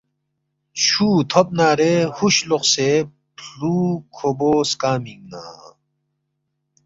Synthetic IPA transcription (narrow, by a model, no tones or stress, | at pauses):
t͡ɕʰuːt̪ʰop̚naːɾehuɕloqse | pʰluːkʰoboːskaːmiŋɡna̰ː